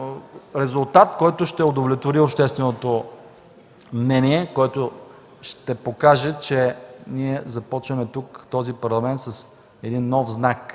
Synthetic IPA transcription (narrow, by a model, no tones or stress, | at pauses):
ɾɛzʊlˠt̪at̪kɔjt̪ʊʃt̪ɛod̪ovlʲɛt̪voɾiopʃt̪ɛst̪vɛnot̪o | mnɛniɛkɔjt̪o | ʃt̪ɛpokaʒɛt͡ʃɛniɛzɐpɔt͡ʃvɐmɛt̪ukt̪ɔzipɐɾlˠɐmɛnt̪sɐs | ɛd̪inːɔfznak